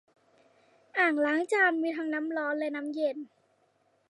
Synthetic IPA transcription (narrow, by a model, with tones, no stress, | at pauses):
ʔaː˨˩ŋlaː˨˦ŋt͡ɕaː˧mmiː˧t̪ʰaː˧ŋna˦˥mlɔː˧˦˥nlɛ˦˧˥na˦˥mje˧˩n